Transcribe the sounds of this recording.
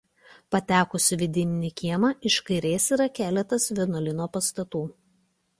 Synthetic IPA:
pɐt̪ʲæːkʊsʲɪʋʲɪd̪ʲɪnʲɪnʲikʲiɛmɐʔɪʃkɐɪɾʲeːsiːɾɐkʲæːlʲɛt̪ɐsʋʲɛnɔlʲɪnoːpɐst̪ɐt̪uː

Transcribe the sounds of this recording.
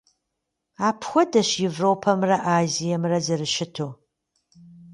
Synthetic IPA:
aːpʰxʷɔdɐɕjevroːpʰɐmrɐʔaːzijɐmrɐzɐrɨʃɪtʰoː

